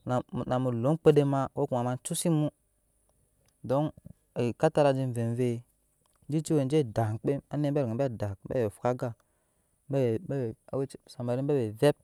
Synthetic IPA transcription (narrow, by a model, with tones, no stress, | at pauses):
na˨na˨mu˨lo˨˦k͡pe˦de˦ma˦wo˦ku˨a˨ma˦nt͡ʃu˦si˦mu˦ | do˦n | i˨ka˦ta˦ɾa˨d͡ʒi˦n˨ve˨nve˦ | d͡ʒi˦t͡ʃi˦we˨n˦d͡ʒe˦˨da˨ŋ˨k͡pe˦ma˦ne˦be˦ɾŋe˨ba˦˨da˨k̚ba̰˦we˨fu̥˨ka˦ɡa˦˨ | ba˦˨ba˦˨a˨we˦sa˨ma˨ɾi˦ba˦we˨ve˦p̚